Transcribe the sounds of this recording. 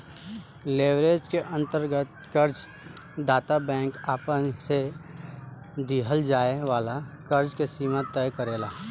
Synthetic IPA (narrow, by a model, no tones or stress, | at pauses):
leːʋɾeːd͡ʒkeʔə̃nt̪əɾɡət̪̚ | kəɾd͡ʒ | d̪aːt̪abɛ̃ːŋkaːpənse | d̪iɦəld͡ʒaːeʋaːlakɐɾd͡ʒkesiːmat̪ːɛjkəɾeːlaː